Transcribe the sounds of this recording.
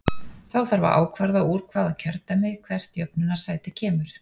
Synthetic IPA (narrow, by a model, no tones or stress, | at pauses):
θawθaɾva̰ɾʔa̰ːwkʰvaɾðauːɾ̥kʰvaːðacʰœɾt̪amɪɣkʰvɛr̥t̪jœpnʏnaɾ̥saːjt̪ɪcʰɛːmʏɾ̥